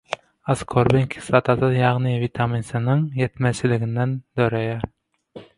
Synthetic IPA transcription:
ɑskʰoɾbɪŋkʲʰi̥sɑt̪ʰɑd̪ɑjɑʁnɨvit̪ʰɑminsɨnɨŋjɛt̪mɛt͡ʃʰɪlɪɡʲɪnd̪ɛnd̪̥øɾɛjɛ

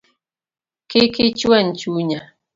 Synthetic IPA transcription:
kekit͡ʃuan̩t͡ʃuɲa

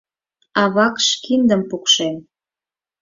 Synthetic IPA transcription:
ɑβɑkʃkind̪əmpukʃem

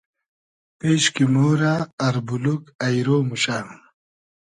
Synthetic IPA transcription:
peːɕkimoːɾaːɾbulukɐjɾoːmuɕaː

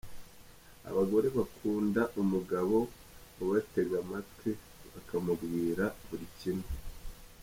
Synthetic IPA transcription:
a̰βaɡo̞ɾe̞βakʰuːndaʔumuɡaβo̞ | oβate̞ɡwamatke | βakʰamuɡwiːɾaβuɾicine

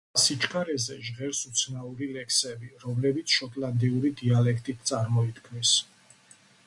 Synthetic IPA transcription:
sit͡ʃʼkʼaɾɛzɛʒʁɛɾsut̪sʰnauɾilɛkʰsɛbiɾɔmlɛbit̪sʰʃɔt̪ʼland̪iuɾid̪ialɛkʰt̪ʼit̪ʰt̪sʼaɾmɔit̪kʰmis

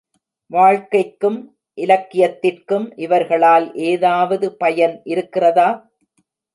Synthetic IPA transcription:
ʋaːɻkɐɪkːɯm | ʔɪlɐkːɪjɐt̪ːɪrkɯmʔɪʋɐɾɣɐɭaːlʔeːðaːʋɐðɯpɐjɐnʔɪɾɯkːɪrɐðaː

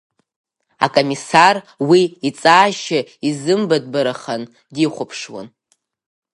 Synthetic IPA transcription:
a̰kʼomisar | wiit͡sʼaːʃaizɨmbad̚baɾaχan | diχʷʊpʰʂwa̰n

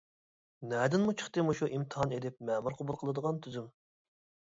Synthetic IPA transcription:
nɛd̪ɪnmut͡ʃʰə̥χt̪ɨmuʃuʔimt̪ʰɨɦɑned̪ɪp̚mɛmuɾqʰobulˠqʰəlˠɨd̪əʁɑnt̪ʰyzym

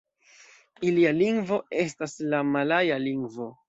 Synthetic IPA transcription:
ilialiŋɡvo̞e̞s̬taslamalajaliŋɡvo̞

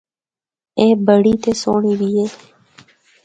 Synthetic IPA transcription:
ẽːbəɽiːt̪eːsoːɳiːbiːeː

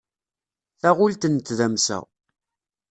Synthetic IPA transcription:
θæʁʊlt̪ənt̪ːðæmsæ̰

